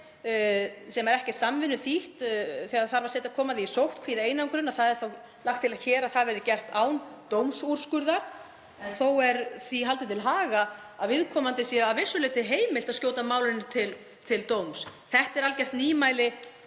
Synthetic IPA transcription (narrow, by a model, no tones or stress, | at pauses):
sɛmaɛɾɛhcɪsamvɪnːʏθiht̪θɛɣaɾθaɾvaɾsɛːt̪akʰɔːmaðɪisowht̪kʰviːðɪeːjnawŋkɾɪnaðθaðɛɾ̥θow | laxkt̪ʰːɪlaðçɛːɾaθaðvɛɾðɪcɛr̥t̪aːwnt̪owmsur̥skʏɾða | θowɛɾθiɦalt̪ɪt̪ʰɪlɦaːɣa | aðvɪðkʰɔːmant̪ɪsjɛavɪsːʏlɪːt̪ɪɦeːjmɪlt̪aðscjoːwt̪amaːwlɪnʏt̪ʰɪl | t̪ʰɪlt̪owmsθɛht̪ɛɾalcɛr̥t̪niːmaːjlɪ